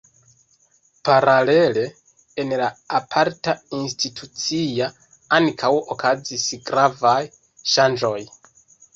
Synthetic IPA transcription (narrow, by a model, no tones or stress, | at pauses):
paɾale̞le̞ː | nlaːpʰaɾtainstitʰut͡sia | ankʰawo̰kʰazisɡɾavaj | ʃand͡ʒo̞j